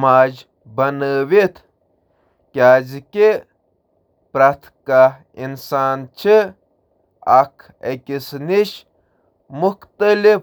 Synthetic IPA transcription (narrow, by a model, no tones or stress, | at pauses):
maːd͡ʒ | bɐnəʋit̪ʰ | kʲaːzkʲe | pɾɐt̪ʰka | insaːnt͡ʃʰi | ɐkʰ | ekʲisniʃ | muxt̪ɐli